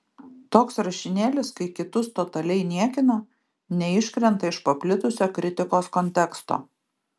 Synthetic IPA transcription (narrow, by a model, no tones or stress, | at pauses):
t̪oːksɾɐʃʲɪnʲeːlʲɪskɐɪkʲɪt̪ʊst̪ɔt̪ɐlʲɛɪnʲiɛkʲɪno | nʲɛɪʃʲkɾʲɛnˑt̪ɐɪʃpɐpʲlʲɪt̪ʊsʲoːkɾʲɪt̪ʲɪkoːskɔnʲt̪ʲɛkst̪o̰ː